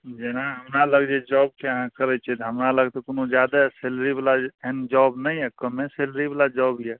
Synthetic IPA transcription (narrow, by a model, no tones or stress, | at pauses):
d͡ʒenaɦəmɾaləɡd͡ʒed͡ʒɔb̚keəɦãkəɾɛt͡ʃʰɛt̪ɦəmɾaləɡt̪ɔkonod͡ʒjad̪aselɾibalaend͡ʒɔbnəjɛkəmeseləɾibalad͡ʒɔbijɛ